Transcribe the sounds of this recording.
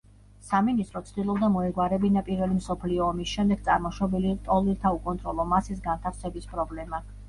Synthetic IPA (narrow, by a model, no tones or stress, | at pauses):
saminist̪ʼɾɔt̪sʰd̪ilˠɔbd̪amɔɛɡwaɾɛbinapʼiɾvɛlimsɔpʰliɔːmisʃɛmd̪ɛɡ̥̚t̪sʼaɾmɔʃwɛbɛlit̪ʼɔlilˠt̪ʰaukʼɔnt̪ʼɾɔlˠɔmasis̬ɡant̪ʰafsɛbispʼɾɔblɛma